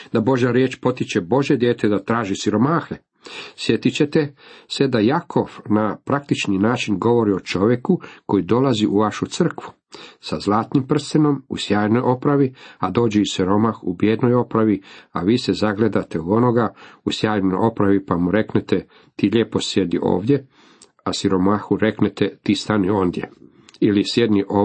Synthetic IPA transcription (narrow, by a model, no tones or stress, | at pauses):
d̪abo̞ʒaɾjeːt͡ʃpo̞t̪it͡ʃe̞bo̞ʒje̞d̪jeːt̪ed̪at̪ɾaːʒisiɾo̞maːxe | sje̞t̪it͡ɕe̞t̪ese̞d̪ajakʰo̞ʋnapɾak̚t̪it͡ʃninaːt͡ʃinɡo̞ʋo̞ɾio̞t͡ʃo̞ʋje̞kuko̞jid̪o̞laziʔuʋaʃut̪sr̩kʋu | sazlˠaːt̪nimpr̩st̪eno̞musjaːjno̞jʔo̞pɾaʋiad̪o̞ːd͡ʑeusiɾo̞maxubjed̪no̞jo̞pɾaʋiaʋiːsezaɡle̞d̪at̪eod̪o̞no̞ɡausjaːjnojo̞pɾaʋipamuɾe̞knet̪e | t̪iːʎʲeːpo̞sje̞d̪niʔo̞̰ːʋd̪je̞ | asiɾo̞maːxuɾe̞knet̪et̪iːst̪anio̞ːnd̪je̞̰ | ilisjed̪niʔo